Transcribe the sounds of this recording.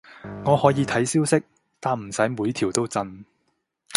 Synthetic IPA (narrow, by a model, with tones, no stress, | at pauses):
ŋɔː˨˧hɔː˨˥jiː˨˧t̪ʰɐ˨˥jsiː˥wsɪ˥k̚ | t̪aː˨m̩˨˩sɐ˨˥jmuː˨˧jt̪ʰiː˨˩wt̪o˥wt͡sɐ˧n